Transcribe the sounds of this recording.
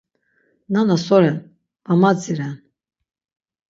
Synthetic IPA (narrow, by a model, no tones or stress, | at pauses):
nanasɔɾɛn | vamad͡ziɾɛn